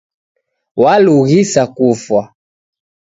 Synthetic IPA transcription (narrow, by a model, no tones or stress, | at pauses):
waluɣisakufwa